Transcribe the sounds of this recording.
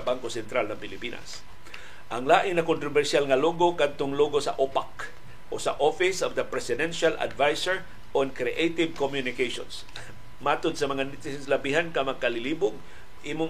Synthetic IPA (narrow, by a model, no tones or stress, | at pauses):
baŋkosɛnt̪ɾalnɐŋpɪlɪpiːnʔa̰s | ʔɐŋlaːʔɪŋnɐkʊnt̪ɾobɛɾsjalŋɐloːɡokad̪̚t̪oŋloːɡosɐ̰ʔopak | ʔo̰sɐʔofɪsɔvd̪ɐpɾɛsɪd̪ɛnʃalʔa̰d̪vajsɛɹ | ʔonkɾiʔejt̪ɪvkomjʊnɪkejʃo̰ns | maːt̪ʊd̪̚sɐmɐŋanɪt̪ɪsɪslɐbiɦankɐmɐkalɪliːbʊɡ̚ | ʔiːmʊ